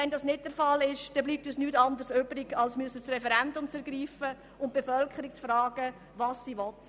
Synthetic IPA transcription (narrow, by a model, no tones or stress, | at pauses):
ɛndɑːsnɪt̚d̥ɛɾfɑlɪʃd̥ɛbliːp̚tysnyːtɑndərsøːbɾɪɡɑlsmyəsət͡srɛfɛɾɛndʊmt͡sɛɾɡɾiːfə | ʊnt̚b̥efœlkʰəɾik̚t͡sfrɑːɡ̥ə | ʋɑːsːiːʋɔt